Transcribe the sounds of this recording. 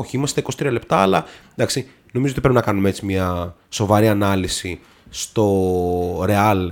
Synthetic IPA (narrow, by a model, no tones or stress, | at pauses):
oçiimɐst̪eikosi̥t̪ɾiɐle̞pt̪ɐɐlɐnd̪ɐksi | no̞mizoot̪ipɾepinɐkɐnumeet͡simɲɐso̞vɐɾiɐnɐlisi | st̪o̞ | ɾe̞ɐl